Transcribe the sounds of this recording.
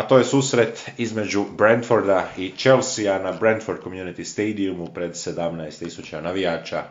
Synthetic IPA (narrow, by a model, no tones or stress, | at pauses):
at̪o̞ːje̞suːsɾe̞t̪izme̞d͡ʒubɾend̪foɾd̪ait͡ʃe̞lsianabɾend̪foɾd̪̚komjunit̪ist̪ejd̪iumupɾe̞d̪se̞d̪amnaest̪ːisut͡ʃanaʋijaːt͡ʃa